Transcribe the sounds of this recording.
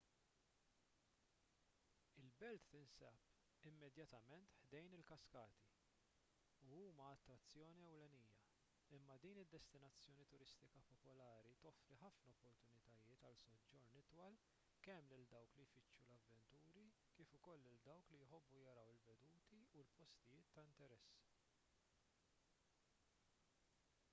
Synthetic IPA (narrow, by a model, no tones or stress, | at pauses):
ɪlbɛlt̪ːɪnsɛp | ɪmːɛd̪jɐt̪ɐmɛnt̪ħd̪ɛjnɪlkɐskɐːt̪i | uuːmɐːt̪ːɾɐt͡sːjɔːniɛwlɛniːjːɐ | ɪmːɐd̪iːnɪd̪ːɛst̪ɪnɐt͡sːjɔːnit̪ʊɾɪst̪ɪkɐpɔpʊlɐːɾit̪ɔfɾiħɐfnɐɔpːɔɾt̪ʊnɪt̪ɐjɪːt̪ɐlsɔd͡ʒːɔɾnɪt̪wɐl | kɛmːlɪld̪ɐwklijfɪt͡ʃːulɐvːɛnt̪uːɾikiːfʊkɔlːɪld̪ɐwklijħɔbːujɐɾɐwɪlbɛd̪uːt̪iulpɔst̪ɪjɪːt̪ːɐɪnt̪ɛɾɛsː